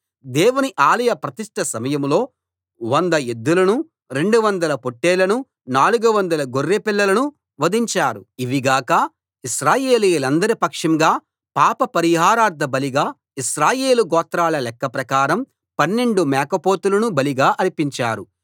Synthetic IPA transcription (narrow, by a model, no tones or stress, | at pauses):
d̪ɛːwuniʔaːlɐjɐpɾɐt̪iʂʈʰɐsɐmɐjɐmlo̞ː | ʋɐnd̪ɐed̪ːulɐnu | ɾe̞ɳɖuʋɐnd̪ɐlɐpoʈːeːlɐnu | naːluɡuʋɐnd̪ɐlɐɡorːeːpilːɐlɐnu | ʋɐd̪iɲt͡ʃaːɾuiʋiɡaːkɐ | iʃɾaːje̞ːliːlɐnd̪ɐɾipɐkʂɐmɡaː | paːpɐpɐɾiɦaːɾaːɾd̪ʱɐbɐliɡaː | iʃɾaːje̞ːluɡɔːt̪ːɾaːlɐlɛkːɐpɾɐkaːɾɐm | pɐnːeɳɖumɛːkɐpoːt̪ulɐnubɐliɡaːʔɐɾipiɲt͡ʃaːɾu